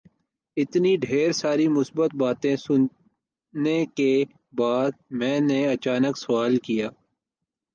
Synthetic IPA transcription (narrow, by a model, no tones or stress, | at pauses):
ɪt̪niɖʱeːɾsaːɾimʊsbət̪̚baːt̪ẽsʊn | neke | baːd̪̚mɛ̃ːneɐt͡ʃaːnəksʊaːlkijaː